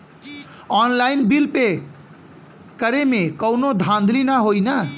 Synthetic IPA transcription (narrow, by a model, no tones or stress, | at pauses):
ɔnlainbilpe | kəɾemekəwnod̪ʱãnd̪ʱlinaɦojnə